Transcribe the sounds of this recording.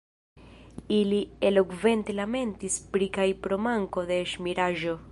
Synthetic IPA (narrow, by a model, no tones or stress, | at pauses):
ilielokve̞nt̪elame̞nt̪ispɾikajpɾomaŋko̞ðeːʃmiɾaʒo̞